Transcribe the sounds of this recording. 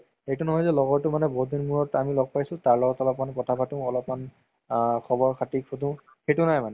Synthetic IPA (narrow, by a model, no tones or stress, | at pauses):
ejtunɔɦɔjzɛlɔɡɔɹtʊmanɛbɔɦudinmuɹɔtamilɔɡ̚pajsʊ̃taɹlɔɡɔtɔlɔpmankɔtʰabʱatʊ̃ɔlɔpman | kʰɔbɔɹkʰatikʰotʊ̃ | xejtunajmanɛ